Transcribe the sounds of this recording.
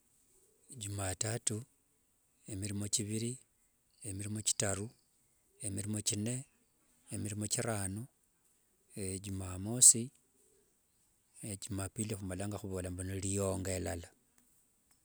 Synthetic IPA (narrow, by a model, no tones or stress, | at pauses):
ɟumatatu | emiɾimo̞t͡ʃiβiɾi | emiɾimo̞t͡ʃi̥taɾu | emiɾimo̞t͡ʃine̞ | emiɾimo̞t͡ʃiɾaːnu | eɟumamosi | eɟumapilixumalaŋɡaxuβo̞ːlambanilijo̞ŋɡelala